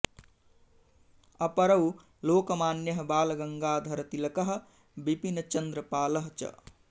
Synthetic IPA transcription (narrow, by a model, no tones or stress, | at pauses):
ɐpɐɾɐw | loːkɐmaːnjɐɦbaːlɐɡɐŋɡaːd̪ʱɐɾɐt̪ilɐkɐɦ̆ | bibinɐt͡ʃɐnd̪ɾɐpaːlɐɦt͡ʃɐ̰